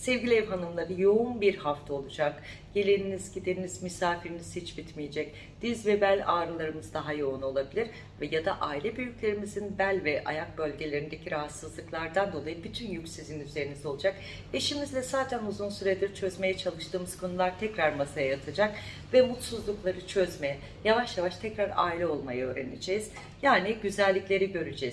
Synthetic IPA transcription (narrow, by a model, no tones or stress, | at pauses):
sɛvɟʲilʲiɛvɦanɯmlˠaɾɯjo̞unbiɾhaft̪ʰao̞lˠud͡ʒak | ɟ̥e̞lʲeninizɟid̪eninizmysaːfiɾiniz̥hit͡ʃbit̪mijed͡ʒɛc̚ | d̪̥izvɛbælʲaːɾɯlˠaɾɯmɯzd̪aɦajo̞uno̞lˠabilʲiɾ | vɛjad̪a̰ʔaːilʲɛbyjyclʲe̞ɾimizinbælʲvɛʔa̰jak̚bø̞lʲɟe̞lʲe̞ɾind̪e̞cʰiɾaɦat̪sɯzlˠɯklˠaɾd̪and̪o̞lˠajɯbit̪ʰynjycsizinyze̞ɾinizo̞lˠud͡ʒak | eʃimizlʲɛsaːt̪ʰænuzunsyɾɛd̪iɾt͡ʃʰø̞zme̞jɛt͡ʃʰalˠɯʃt̪ʰɯːmɯz̥kʰo̞nulˠaɾt̪ʰɛcɾaɾmasajajat̪ʰɯd͡ʒak | vɛmut̪suzlˠuklˠaɾɯt͡ʃʰø̞zmejɛ | javaʃjavaʃt̪ʰɛcɾaɾa̰ːilʲɛo̞lˠmajaø̞ːɾenḛd͡ʒeːz̥ | jaːnɛɟyzælʲːiclʲe̞ɾiɟø̞ɾyd͡ʒɛz̥